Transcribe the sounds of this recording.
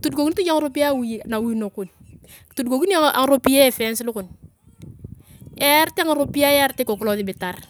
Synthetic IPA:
tu˨dɡo˨ku˦n˦ti˦d͡ʒa˦ŋɾo˦pi˦ja˦wna˨wu˦˨˦no˨ku˨n | tu˨dɡo˨ki˦n˦a̰˨ŋ˦ɾo˦pi˦je˦˨fe˦nsi˦lu˦ku˨n | ɛ˦ɾti˦a˦ŋ˦ɾo˦pi˦ja˦ja˦ɾte˦ko˨ku˦lo˦˨ði˨bi˨ta˨ɾ

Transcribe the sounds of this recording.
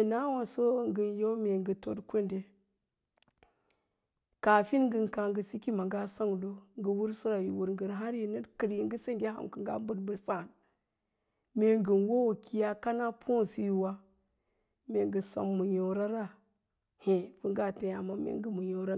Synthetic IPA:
na˦wa˨so˦ŋɡə˨njo˦me˨ŋɡə˨to̰˨dkʷe˦nde˨ | ka˨fi˦nŋɡə˨ŋka˨ŋɡə˨si˦ki˦ma˨ŋɡa˦sa˦ŋ˨do˦ŋɡə˨wu˦ɾsɨ˦ɾa˨ju˨wu˨ɾŋɡə˨ɾɦa˦ɾji˨nə˦kə˨ɾji˨ŋ˦ɡə˦se˦ɡʲa˦ɦa̰˨mkə˨ŋɡa̰˦m˦bu˦dbə˨ɾsa˦˨n | me˨ŋɡə˨nwo˦wo˨ki˦ja˦ka˦na˦pʰo˦n˨si˦ju˨wa˦ | me˨ŋɡə˨sa̰˨mːu˨jo˨ɾa˦ɾa˦˨ | hẽ˨pu˦ŋɡa˦˨te˨ja˨ma˨mḛ˨ŋɡə˨mu˨jo˨ɾa˦

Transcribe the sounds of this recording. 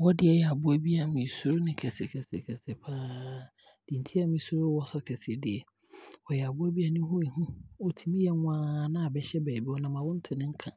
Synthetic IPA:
wɔ˦dɪ˦ɛ˦jɛ˨a˨bʊ˦a˦bi˦a˨mĩ˨su˦ɾo˦nɪ̃˦kʰɛ˨sɪ˨kʰɛ˨sḛ˨kʰɛ˨sɪ˨pʰaː˦ | d̥ĩ˨n̩˨tʰi˦a˦mĩ˨˦su˦ɾo˦wɔ˦sɔ˦kʰɛ˨sɪ˨dɪ˨ɛ˨ | wɔ˨jɛ˨a˨bʊ˦a˦bi˦a˨nɪ̃˦hʊ̃˦i˨hũ˦ɔ˨tʰi˨mĩ˦jɛ˨ŋʊ̃˦aː˨˦nã˦a˨bɛ˨ɕɛ˦bɛː˨bi˦wɔ˦nã˨mã˨wʊ̃˦n̩˦tʰɪ˨nɪ̃˦ŋ̩˦kʰã˨

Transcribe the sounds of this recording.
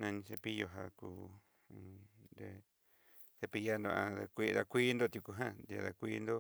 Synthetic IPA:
nã˧nĩ˧se˧pi˦jo˧ɦa˧kũ˧˨ | nd̪e˧ | se˧pi˧ja˦nd̪o˧ã˧ða˧kʷi˦ða˧kʷi˦nd̪o˦˧t̪ʲu˧ku˧˨ɦã˦d̪a̰˧ða˧kʷi˦nd̪o˦

